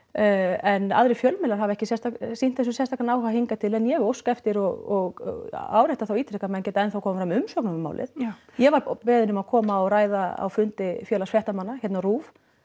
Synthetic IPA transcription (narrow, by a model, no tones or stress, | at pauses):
ɛna̰ðɾɪfjœlmɛlaɾ̥ɦavɛhcɪsjɛst̪asin̥t̪θɛs̬ʏsjɛnst̪ʰak̪anaːwhahiŋkat̪ʰɪlɛnjɛɣowskaɛft̪ɪɾɔɣɔɣa̰wɾejht̪aθawiːt̪ʰɾɛkamɛncɛːt̪aɛnθawkʰɔːmfɾamʏmsœknɔmʏma̰wlʔɪ̰ð | jɛvaɾpɛːðɪnʏmaðkʰɔːmaɔɾaːjðaa̰wfʏnt̪ɪfjœːlasfjɛht̪amanːaçjɛt̪naruːv